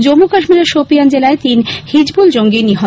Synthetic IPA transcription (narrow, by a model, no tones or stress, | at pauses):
d͡ʑomːukaʃmiɾaɾʃopiand͡ʑelaet̪inhid͡ʑbuld͡ʑoŋɡiniɦo